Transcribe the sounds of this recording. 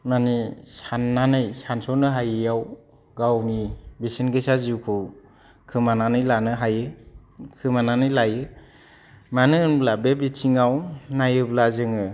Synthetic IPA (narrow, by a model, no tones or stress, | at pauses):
manisanːanɯjsansɔnɯɦajɯjaw | ɡawmibisinɡɯjsaziwkʰɯw | kʰɯmananɯjlanɯɦajɯ | kʰɯmananɯjlajɯ | manɯɯnblabebitʰiŋawnajɯblazɯŋɯ